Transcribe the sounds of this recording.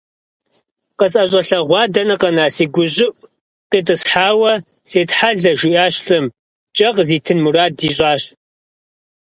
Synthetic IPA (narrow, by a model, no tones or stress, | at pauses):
qəsʼɐɕʼɐɬɐʁʷɑːdɐnɐqɐnaːsiːɡʷʊʑɪpʷʼ | qiːtʼɨsħaːwɐ | seːtħaɮɐʒʊjaːɕɬɨm | t͡ʃʼɐqziːtʰɨnmuraːdiːɕʼaːɕ